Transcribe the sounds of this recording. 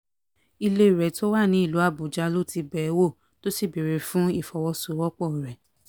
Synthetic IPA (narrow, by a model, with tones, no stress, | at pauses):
i˧le˧˨ɾɛ˨to˦wa˦˨nĩ˨˦i˦˨lu˨˦a˦˨bu˨d͡ʒa˧˦lo˦˨ti˧bɛ˨˦wo˦˨ | to˦si˦˨bi˨ɾe˨˧fũ˦i˦˨fɔ˧wɔ˧so˨˦wɔ˦k͡pɔ˦˨ɾɛ˨